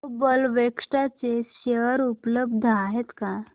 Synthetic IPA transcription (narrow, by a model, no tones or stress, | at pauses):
bəlʋekʂʈat͡seɕeɾupləb̚d̪ʱəaɦet̪ka